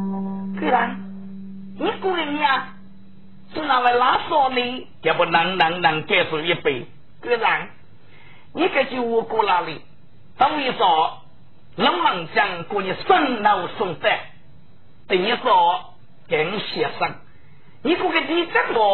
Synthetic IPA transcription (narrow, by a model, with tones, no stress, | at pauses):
kɨ˧za˨˦ŋ | ɲi˦ku˧˨kɛ˧ɲi˧a˧ | su˧ŋna˧˨la˧laː˨˦sɔ˧li˧ | ka˨bɔ˨na˨˧˦ŋna˨˦ŋna˨ŋkɛ˧˨su˨ji˧pi˨ | kɨ˧za˨˦ŋ | ɲi˦kɛ˧t͡ʃi˧wu˧ko˧la˧li˧˨ | t̪a˦ŋwi˧sɔ˨˦ | lə˦mla˧˨ŋt͡ʃa˧ŋko˧ɲi˧sə˧ŋna˧wsʊ˧ŋt̪ɛ˧˨ | t̪e˨ɲi˧˦sɔ˨˧˦ | kɛ˨˦ŋ̩˧si˨ə˨sa˧ŋ | ɲi˦ku˧˦kɛ˧di˧˦t͡ʃa˦˥k̚bɔ˨˧